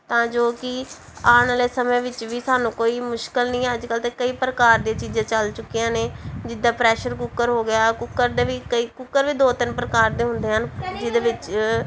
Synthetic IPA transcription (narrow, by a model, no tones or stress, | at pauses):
t̪ãːd͡ʒoːkɪ | aːnːleːsəmẽːʋɪt͡ʃʋiːsaːnũːkoːiːmʊʃkəlnĩːəd͡ʒkəlt̪eːkəiːpɾəkaːɾd̪eːt͡ʃiːd͡ʒãːt͡ʃəlt͡ʃʊkːijãːneːd͡ʒɪd̪aːpɾɛːʃəɾkʊkːəɾɦoːɡɪjaːkʊkːəɾd̪eːʋiːkəiːkʊkːəɾʋiːd̪oːt̪ɪnpəɾəkaːɾd̪eːɦʊ̃nd̪eːɦənd͡ʒɪd̪eːʋɪt͡ʃ